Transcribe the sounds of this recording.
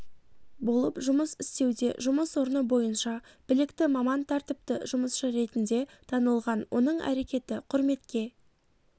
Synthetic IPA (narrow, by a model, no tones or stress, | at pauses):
bo̞lˠəpʒʊməsɪst̪e̞wd̪e̞ʒʊməswo̞ɾnəbo̞jənʃɑb̥ɪlɪkt̪ɪmɑmɑnt̪ʰɑɾt̪ɪp̚t̪ɪʒʊməsʃəɾe̞t̪ɪnd̪e̞t̪ʰɑnəlˠʁɑnwʔo̞nəɴæ̰ɾe̞kʲe̞t̪ɪqʰʊɾme̞t̪kʲe̞